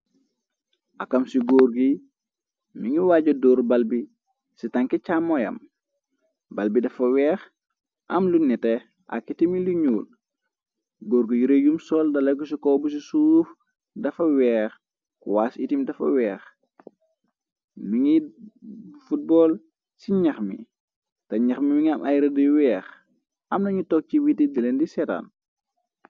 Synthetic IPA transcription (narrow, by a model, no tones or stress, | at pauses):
ʔɐkɐmsiɡɔːɾɡi | miŋiwaːɟɐdɔːɾbɐlbi | sitɐŋkɛcamɔjɐ̰m | bɐlbidɐfɐwɛːx | ʔɐmlunɛtɛ | ʔɐ̰kitimiliɲuːl | ɡoːɾɡijuɾejumsɔldɐlɐɡusikɔːbus̬isuf | dɐfɐwɛːx | kwaːsitimdɐfɐ̰wɛːx | miŋi | fut̚bɔːl | siɲɐxmḭ | tɐɲɐxmimiŋɐmʔɐjɾɐdiwɛːx | ɐmnɐɲutɔk̚ciwitidɐlendisɛta̰n